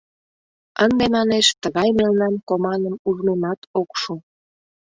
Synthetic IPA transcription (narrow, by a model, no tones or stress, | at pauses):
ənd̪emɑneʃt̪əɣɑjmelnɑmkomɑnəmuʒnemɑt̪okʃu